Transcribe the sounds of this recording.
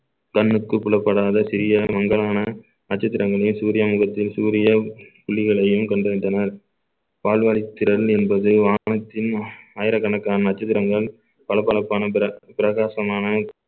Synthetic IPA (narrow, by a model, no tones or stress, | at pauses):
kɐnːɯkːɯpːʊɭɐpːɐɽaːðɐsɪɾɪjɐmɐŋɡɐɭaːnɐ | nɐt͡ʃːɐt̪ːɪɾɐŋɡɐɭɐjɯmsuːɾɪjɐmʊɣɐt̪ːɪlsuːɾɪjɐpʊɭːɪɣɐɭɐjɯmkɐɳɖɯʋɪɳɖɐnɐɾ | paːlʋaɭɪt̪ːɪɾɐɭɛnbɐðɯʋaːnɐt̪ːɪnaːjɪɾɐkːɐɳɐkːaːnɐnɐt͡ʃːɐt̪ːɪɾɐŋɡɐɭ | pɐɭɐpːɐɭɐpːaːnɐpɐpɪɾɐɣaːsɐmaːnɐ